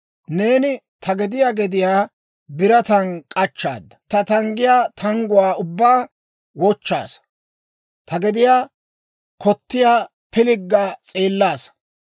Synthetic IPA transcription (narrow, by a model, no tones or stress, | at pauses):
ne̞ːnɪt̪ʰɐɡɛd̪ɪjaːɡɛd̪ɪjaː | bɪɾɐt̪ɐnkʼɐt͡ʃːa̰ːd̪ːɐ̥t̪ɐt̪ɐŋɡɪjaːt̪ʰɐŋɡʊwaːʊbːaː | wɔt͡ʃːa̰ːs | t̪ʰɐɡɛd̪ɪjaː | kʰɔt̪ːɪjaː | pɪlɪɡːaːt͡sʼeːlːaːs